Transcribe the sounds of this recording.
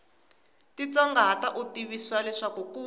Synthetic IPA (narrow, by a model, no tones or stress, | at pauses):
tit͡sɔŋɡaɦataʔutiβiswalɛʂakuku